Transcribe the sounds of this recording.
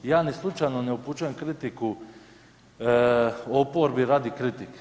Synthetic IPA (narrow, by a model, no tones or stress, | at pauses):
jaːnislˠut͡ʃajnoneuput͡ʃujemkɾit̪iku | opoɾbiɾaːd̪ikɾit̪ik